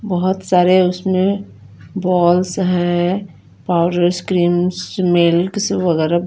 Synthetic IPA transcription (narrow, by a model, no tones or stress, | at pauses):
bɔɦʊt̪saːɾeʊsmẽ | bɔːlsɦɛ̃ | paːʊɖəɾskɾiːmsmeːlksʋɐɣɛːɾa